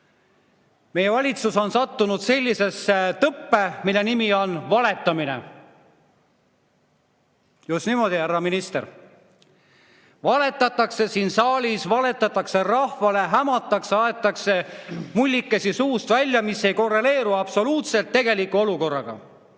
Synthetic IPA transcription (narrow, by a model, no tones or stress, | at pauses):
me̞jevɑlʲit̪suso̞nsɑt̪ːunud̪se̞lʲːise̞set̪ɤpːemilːe̞nimio̞nvɑle̞t̪ːˑɑmine̞̰ | just̪nimo̞d̪̥ihærːɑminist̪e̞̰ɾ | vɑle̞t̪ːˑɑt̪ːˑɑkse̞siːnsɑːlʲisvɑle̞t̪ːˑɑt̪ːˑɑkse̞rɑhvɑle̞ɦæmɑt̪ːˑɑkseɑe̞t̪ːˑɑkse̞mulʲːikːesisuːst̪vælʲːjɑmise̞jko̞rːe̞le̞ːɾuɑb̥so̞luːt̪se̞lt̪ːe̞ɡe̞likːuo̞luko̞rːɑɡ̥ɑ̰